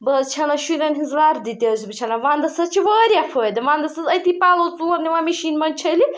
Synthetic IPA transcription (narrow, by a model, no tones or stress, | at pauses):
bɐst͡ʃʰɐnɐʃuɾʲɐnɦizlaːɾd̪it̪ʲɐːsbɨt͡ʃʰɐnɐʋaːnd̪ɐsɐt͡ʃʰiʋəːɾjafʰod̪ɐʋãːnd̪ɐsɐzɐjt̪ipaːlɐt͡sulɐnniʋamiʃiːnmɐnʲt͡ʃʰɐli